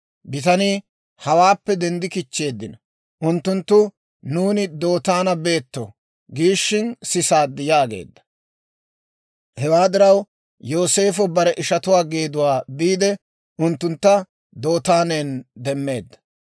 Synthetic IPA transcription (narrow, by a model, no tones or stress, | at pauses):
bɪt̪ɐni | hɐwaːpːɛd̪ɛnd̪ɪkɪt͡ʃːe̞ːd̪ːɪnɐ | ʔʊnt̪ːʊnt̪ːʊ | nuːnɪd̪o̞ːt̪aːnɐbe̞ːt̪ːɔ | ɡiːʃːɪnsɪsaːd̪ːɪjaːɡe̞̰ːd̪ːɐ̥ | hɛwaːd̪ɪɾɐw | jo̞ːse̞ːfɔbɐɾɛʔɪʃɐt̪ʊwaːɡeːd̪ʊwaːd̪iːd̪ɛ | ʔʊnt̪ːʊnt̪ːɐ | d̪o̞ːt̪aːneːnd̪ɛmːe̞ːd̪ːɐ̥